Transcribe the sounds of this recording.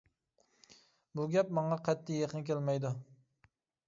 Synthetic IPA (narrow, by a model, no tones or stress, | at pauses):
buɡʲɛpmɑɴɑqʰɛt̪ʰːijeqənkʲʰelmɛjd̪u